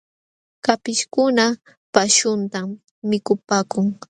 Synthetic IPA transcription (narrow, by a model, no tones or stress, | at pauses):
kapɪʃkʊna | paʃʊnt̪amː | ɪkʊpaːkʊŋ